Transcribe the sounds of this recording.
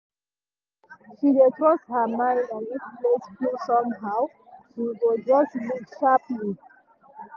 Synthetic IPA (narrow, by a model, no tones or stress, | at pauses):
ʃidetɹɔsthəmãɪ̃ndɔ̃nwisplesplusɔ̃mɦaʊ | ʃiɡɔd͡ʒɔstlukʃapli